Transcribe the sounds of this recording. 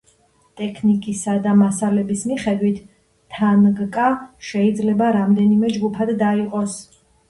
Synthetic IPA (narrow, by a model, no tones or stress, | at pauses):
t̪ʼɛkʰnikʼisad̪amasalɛbismiχɛd̪wit̪ʰː | anɡkʼaʃɛid̪zlɛbaɾamd̪ɛnimɛd͡ʒɡupʰad̪ːaiqʼɔs